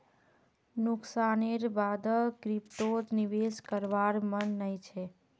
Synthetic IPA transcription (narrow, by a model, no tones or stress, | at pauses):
nʊksaneɾbad̪əkɾipt̪ot̪niʋeskəɾʋaɾmənːəĩt͡ʃʰe